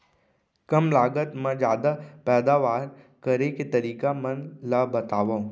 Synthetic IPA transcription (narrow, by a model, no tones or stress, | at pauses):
kɐmlaːɡət̪mə̃d͡ʒjaːd̪apɛːd̪aʋaːɾ | kəɾeket̪ɐɾiːkamə̃nlabɐt̪aːʋaũ